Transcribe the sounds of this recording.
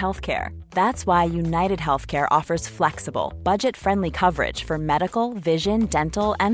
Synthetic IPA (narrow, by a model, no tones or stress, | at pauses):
ɛlˠθkʰɛ̰ɹ | ðætswaɪjunaɪɾɨd̚ɦɛlˠθkʰɛɹʔɔfə˞z̥flɛksəbl̩ˠb̥ʌd͡ʒɨtfɹɛ̃ndˡlikʰʌvə˞ɪ̰d̥ʒ̥fə˞mɛɾɨkl̩ˠvɪʒɨ̃ndɛ̃ntl̩ˠɨ̃n